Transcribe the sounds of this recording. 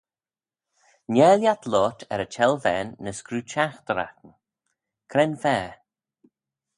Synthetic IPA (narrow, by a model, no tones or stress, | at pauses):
njɛljat̪ʰlɔːt̪ʰɛ̰ɾət͡ʃʰɛlvɛːnːəskɾuːt͡ʃaxt̪əɾa̰tn | kʰɾɛnfɛː